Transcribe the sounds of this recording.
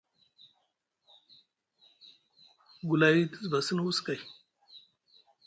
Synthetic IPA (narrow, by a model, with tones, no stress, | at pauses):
ɡu˨la˨ji˦t̪i˦zba˨si˦n˦wu˦ska˨j